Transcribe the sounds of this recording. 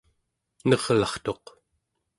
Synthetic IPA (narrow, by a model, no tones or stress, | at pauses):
nʌʁlɑχt̪o̞q